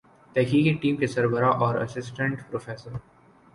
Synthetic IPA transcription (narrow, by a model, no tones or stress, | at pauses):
t̪ɛkiːkeʈĩːmkesɐɾbəɾaʔɔːɾɐ̰sɪsʈə̃ɳʈpɾofeːsəɾ